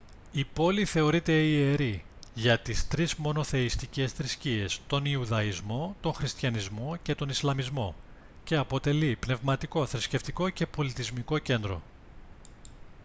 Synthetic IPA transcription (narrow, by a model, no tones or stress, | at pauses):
ipo̞liθe̞o̞ɾit̪e̞ie̞ɾi | ʝɐt̪ist̪ɾizmo̞no̞θe̞ist̪ice̞sθɾiscie̞st̪o̞niuðɐizmo̞t̪o̞ŋxɾist̪çɐnizmo̞ce̞t̪o̞nislɐmizmo̞ | ce̞ɐpo̞t̪e̞lipne̞vmɐt̪iko̞θɾisce̞ft̪iko̞ce̞po̞lit̪izmiko̞ce̞nd̪ɾo̞̰